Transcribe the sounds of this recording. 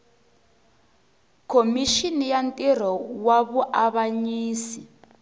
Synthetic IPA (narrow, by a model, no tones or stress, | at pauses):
kʰomiʃinijantʼir̤ɔwaβuʔaβaɲiːsi